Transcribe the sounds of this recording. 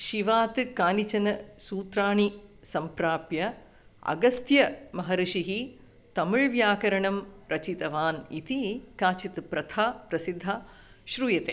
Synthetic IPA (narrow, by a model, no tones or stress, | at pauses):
ʃiʋaːt̪ɨkaːnit͡ʃɐnɐsuːt̪ɾaːɳisɐmpɾaːpjɐ | ɐ̰ɡɐst̪jɐmɐɦɐɾiʃiɦi | t̪ɐmuɻʋjaːkɐɾɐɳɐmɾʔɐt͡ʃit̪ɐʋaːnḭt̪ikaːt͡ʃit̪pɾɐt̪ʰaːpɾɐsid̪ʱːaː | ʃɾuːjɐt̪eː